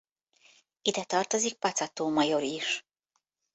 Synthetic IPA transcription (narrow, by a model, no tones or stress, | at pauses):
id̪ɛt̪ɒrt̪o̞zik̚pɒt̪sɒt̪oːmɒjo̞ɾiʃ